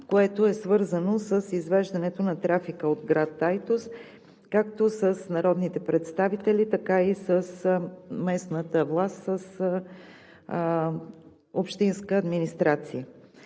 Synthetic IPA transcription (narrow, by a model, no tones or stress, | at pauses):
koɛt̪oɛsvɤɾzənosəsizvɛʒd̪ɐnɛt̪onɐt̪ɾafikəod̪ɡɾat̪ːajt̪os | kakt̪osəsnɐɾɔd̪nit̪ɛpɾɛt̪st̪avit̪ɛlit̪ɐkaisəsmɛsnət̪əvlˠast̪səs | opʃt̪inskəːd̪minist̪ɾat̪siə